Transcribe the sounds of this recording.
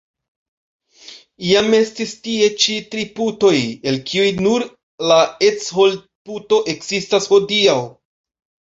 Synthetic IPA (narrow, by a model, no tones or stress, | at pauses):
ijame̞stistie̞t͡ʃitɾiputo̞je̞lkʰiujnuɾ | lae̞t͡sho̞l | puto̞ʔe̞kz̥istasho̞diaw